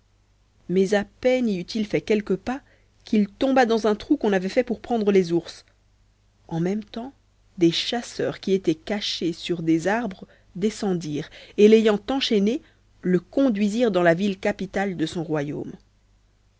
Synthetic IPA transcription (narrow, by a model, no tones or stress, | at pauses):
mɛzapɛniyt̪ʰilfɛkʲɛlkəpa | kʰilt̪ɔ̃bad̪ɑ̃zɛ̃t̪χukɔ̃navɛfɛpuʁpχɑ̃d̪ʁəlezuʁs | ɑ̃mɛmt̪ɑ̃ | d̪eʃasœ̰ːʁkʲiet̪ɛkaʃesyʁd̪ezaʁbʁə | d̪esɑ̃d̪iːʁelejɑ̃t̪ɑ̃ʃɛne | ləkɔ̃d̪ɥiziʁd̪ɑ̃lavilkapit̪ald̪əsɔ̃ʁwajo̰m